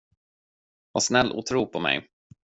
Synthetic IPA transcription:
vasnɛlːʔṵːt̪ʰɾuːpʰɔmɛ̰j

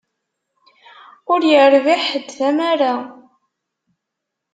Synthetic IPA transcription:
ʊɾjəɾviħəd̪ːæmaɾa

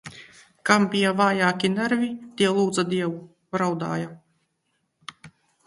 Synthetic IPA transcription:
kambʲijavaːjaːkʲinæɾvʲit̪ʲiɛlˠuːd̪zad̪ʲiɛvu | bɾawd̪a̰ːja

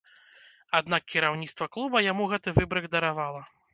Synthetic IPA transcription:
ad̪nakʲkʲiɾawnʲit̪st̪vɐklˠubɐjamuɣɛt̪ɨvɨbɾɨɣd̪ɐɾavalˠɐ

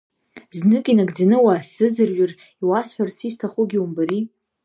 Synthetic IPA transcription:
znɨkʼinaɡd͡zanɨwasɨd͡zɨrɥʊr | iwasħᶣarsʰistʰaχʷʊɡʲiumbaɾi

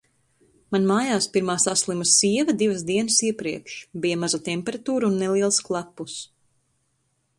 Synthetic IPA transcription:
manmaːjaːspiɾmaːsaslˠimasiɛvɐd̪ivasd̪iɛnəsiɛpɾiɛkʃbijamazat̪ɛmpɛɾat̪uːɾunːɛliɛlˠsklˠapːus

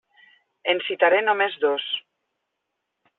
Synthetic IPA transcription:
ensit̪aɾenomezðos

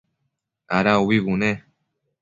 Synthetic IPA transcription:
aɾauwiβunẽ

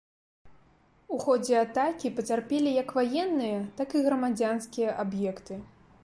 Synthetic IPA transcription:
uxɔd͡zʲɛat̪akʲipɐt͡sʲarpʲɛlʲijɐkvajɛnːɨjɐt̪akiɣɾɐmad͡zʲanskʲijɐʔabjɛkt̪ɨ

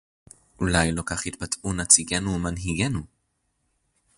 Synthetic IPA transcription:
ʔulajlokaχhit̪̚patunat͡siɡenumanɦiɡenu

